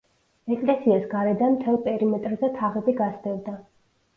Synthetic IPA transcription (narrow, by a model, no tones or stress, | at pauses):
ɛkʼlɛsiasɡaɾɛd̪anmt̪ʰɛlˠpʼɛɾimɛt̪ʼɾzɛt̪ʰaʁɛbiɡasd̪ɛvd̪a